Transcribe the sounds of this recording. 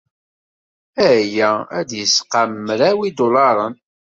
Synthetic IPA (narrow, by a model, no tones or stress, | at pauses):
æjææd̪jəsqamːɾæwid̪olɑɾˤən